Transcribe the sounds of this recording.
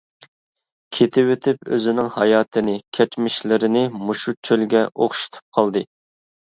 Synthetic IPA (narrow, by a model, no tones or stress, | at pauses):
kʲʰet̪ʰɪwøt̪ʰɪpø̰zɪnɪŋhɑjɑːt̪ʰɨnɪkʲʰɛt͡ʃmɪʃlɪɾɪnɪmuʃut͡ʃʰølɡʲɛʔoχʃi̥t̪ʰɨ̥p̚qʰɑlˠd̪ɨ